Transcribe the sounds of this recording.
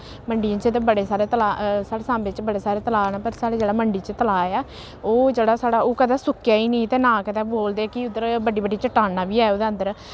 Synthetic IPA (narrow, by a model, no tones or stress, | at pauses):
məɳɖijãːt͡ʃt̪eːbəɽeːsaːɾeːt̪əlaːsaːɽeːsãːmbɪt͡ʃbəɽeːsaːɾeːt̪əlaːnaːpəɾsaːɽeːd͡ʒeːɽaːməɳɖiːt͡ʃət̪əlaːeaː | oːd͡ʒeːɽaːsaːɽaːoːkəd̪ɛːsʊkːjaːiːnĩːt̪eːnãːkəd̪ɛːboːld̪eːkɪʊd̪ːəɾbəɖiːbəɖiːt͡ʃəʈaːnãːbiːɛːod̪eə̃nd̪əɾ